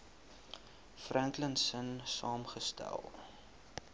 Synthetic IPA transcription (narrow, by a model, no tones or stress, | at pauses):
frænklənsənsɑːmχəstæ̰lˠ